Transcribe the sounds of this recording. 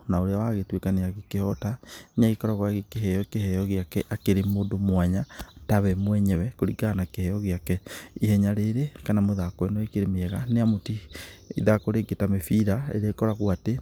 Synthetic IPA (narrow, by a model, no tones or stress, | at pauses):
naoɾeawaɣetwekaneaɣekehɔtaneaɣekɔɾaɣwaɣekeɦɛjɔkehɛjɔɣjakɛʔakeɾemoːdomwaɲataβɛmwɛɲɛwɛkoɾiɡanakehɛjɔɣjakɛihɛɲaɾeɾekanamoðakwɛnɔekeɾemeɛɣaneamotiḭðakoɾeɡetamefiɾaḛɾekɔɾaɣwate